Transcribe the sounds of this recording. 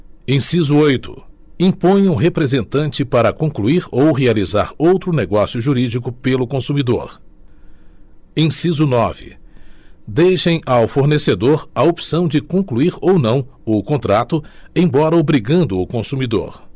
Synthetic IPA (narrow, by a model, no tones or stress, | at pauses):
ẽsizʊojt̪ʊ̰ | ĩpõj̃ũɦepɾezẽnt̪ɐ̃nt͡ʃɪpaɾɐkõkluiɾowɦealiza̰ɾowt̪ɾʊneɡɔsijʊʒuɾid͡ʒikʊpelʊkõsumid̪o̰ɾ | ẽj̃sizʊnɔvɪ̰ | d̪ejʃẽj̃ʔawfoɾnesed̪oɾɐopsɐ̃w̃d͡ʒɪkõkluiɾownɐ̃w̃ʊkõnt̪ɾat̪ʊẽj̃bɔɾɐobɾiɡɐ̃nd̪ʊʊkõsumid̪o̰ɾ